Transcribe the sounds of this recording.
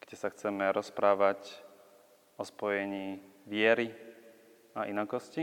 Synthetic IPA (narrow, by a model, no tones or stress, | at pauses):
ɡ̥ɟɛsaxt͡sɛmɛɾɔspɾaːʋac | ɔspɔjɛɲiːʋɪɛɾi | aʔinakɔsci